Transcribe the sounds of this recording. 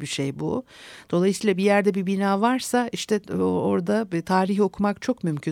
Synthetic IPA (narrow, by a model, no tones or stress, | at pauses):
biʃejbṵd̪̥o̞lˠajɯsiːlˠabijæɾd̪ɛbibinaːvaɾsaiʃt̪ʰɛoɾd̪at̪ʰaːɾiɦo̞kʰumakt͡ʃʰo̞kmymcʰy